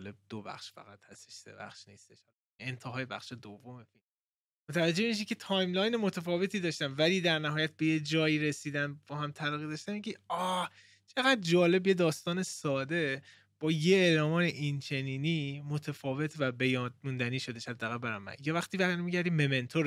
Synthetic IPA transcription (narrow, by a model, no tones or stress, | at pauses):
leb̚d̪̥obæ̰xʃfæ̰ɣæt̪hæst̪e̥ʃsḛbæ̰xʃniːst̪eʃhɒl | ent̪ʰeɦɒːjebæxʃed̪ovːo̞mefilm | mot̪ʰævæd͡ʒːe̞miʃ̬icʰet̪ʰɒːjmlɒːjnemo̞t̪ʰæfɒːve̞t̪ʰiːd̪ɒːʃt̪æmvæliːd̪æɾnæɦɒːjæt̪̚bejed͡ʒɒːjiːɾesiːd̪ænbɒːɦæmt̪ʰælɒːɣid̪ɒːʃt̪ænmiɡiɒː | t͡ʃʰe̞ɣæd̪̚d͡ʒɒːle̞bje̞d̪ɒːst̪ɒːne̞sɒːd̪e̞ | b̥ɒːjeeːlɒːmɒːneʔint͡ʃʰe̞niːniːmo̞t̪ʰefɒːve̞t̪ʰvæbejɒːd̪̚mund̪æniːʃo̞d̪eʃhæd̪ːæɣælbæɾæmːæ̰njɒvæxt̪iːbæɣjɾmiɟæɾd̪imeme̞nt̪ʰoɾ